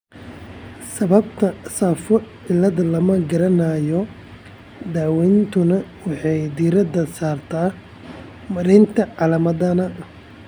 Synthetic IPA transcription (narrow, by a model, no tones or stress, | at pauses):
sɐβɐb̚t̪ʰɐsaːfɔʕɪlɐðɐlɐmɐɡɐɾɐnɐjɔ | d̪aːwɛnt̪ʰʊnɐwɑħɑjd̪iːɾɐd̪ɐsaːrt̪ʰaː | mɐɾɛnt̪ʰɐʕɑlɐmɐðɐnɐ